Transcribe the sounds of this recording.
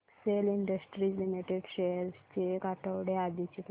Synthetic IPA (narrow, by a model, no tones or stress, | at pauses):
seliɳɖəsʈɾiːd͡ʑlimiʈeɖɕejəɾst͡ɕekaʈəʋɽead̪it͡ɕek